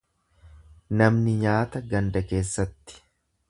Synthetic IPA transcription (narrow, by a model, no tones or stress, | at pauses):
nɐmnɪɲaːt̪ɐɡɐnd̪ɐke̞ːsːɐt̪ːɪ̥